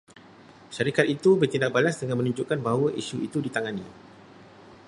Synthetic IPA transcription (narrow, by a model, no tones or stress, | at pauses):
ʃaɾikat̪̚it̪ubərt̪indak̚balasdəŋanmə̃nũɲd͡ʒuʔkanbaɦwəʔḭsuḭt̪udit̪aŋanĩ